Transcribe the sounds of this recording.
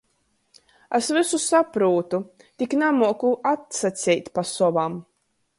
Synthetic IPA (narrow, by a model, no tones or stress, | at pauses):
ɛsvɨsusapɾuːt̪u | t̪iknamuɔkuʔat̪sat̪sʲɛjt̪ʲpasɔvam